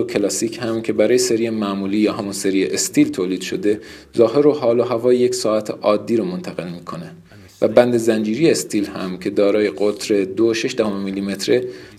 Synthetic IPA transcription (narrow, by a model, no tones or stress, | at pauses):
okʰelɒːsiːcʰhæmcʰe̞bæɾɒːjeseɾijemæʔmuːliːjɒːɦæmunse̞ɾieʔest̪ʰiːlt̪ʰoːliːd̪̥ʃo̞̰d̪e̞ | zɒːɦe̞ɾoɦɒːloɦævɒːjejecsɒːæt̪ʰḛʔɒːd̪ːiːɾomont̪ʰæɣe̞lmiːkʰo̞ne̞ | væbænd̪e̞zænd͡ʒiːɾijeːst̪ʰiːlhæ̰mcʰe̞d̪ɒːɾɒːje̞ɡot̪ʰɾe̞d̪oʃe̞ʃd̪æhomemilːiːme̞t̪ʰɾe